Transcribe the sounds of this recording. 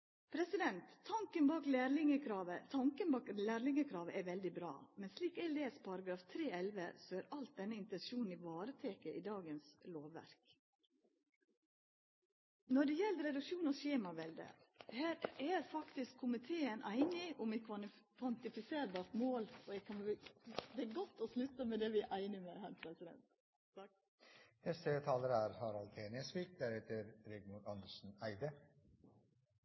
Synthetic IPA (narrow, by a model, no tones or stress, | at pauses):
pʰɾɛsɪd̪ɛnt̪ʰːɑŋkənbɑːklæːɾlɪŋəkʰɾɑːʋət̪ʰɑŋkənbɑːklæːɾlɪŋəkʰɾɑːʋəʔɛɾʋɛld̪ɪbɾɑ̰ːmɛnsliːkɛleːspʰɑɾɑɡɾɑːft̪ʰɾeːɛlʋə̰sɔæːɾʔɑlt̪̚d̪ɛnːəɪnt̪ɛnʃuːn̩iːʋɑːɾət̪ʰeːkəʔiːd̪ɑːɡənsloːʋːæ̰ɾk | nɔɖɛjɛlːɾɛd̪ʉkʃuːnɔʃeːmɑʋɛld̪ə̰hæːɾæːɾfɑkt̪ɪskʰːʊmɪt̪ʰeːənʔæɪnɪʊmɪkʰʋɑ | kʰʋɑnt̪ɪfɪseːɾbɑːɾt̪moːlɔɛkʰɑn | d̪ɛæɡɔt̪ːɔslʉt̪ːəmɛd̪ɛʋɪʔæɪnɪmehæːɾpʰɾɛsɪd̪ɛ̰nt̪ | nɛst̪ət̪ʰɑːləɾəæɾhɑːɾɑlt̪ʰeːnəsʋiːk̚d̪æɾɛt̪ʰəɾɾɛɡmuːd̪ɑnd̪əʂn̩æɪd̪ə